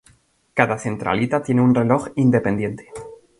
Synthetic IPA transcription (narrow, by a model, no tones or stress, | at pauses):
kaðaθe̞nt̪ɾa̰lit̪at̪je̞neunre̞lo̞xind̪e̞pe̞nd̪je̞nt̪e̥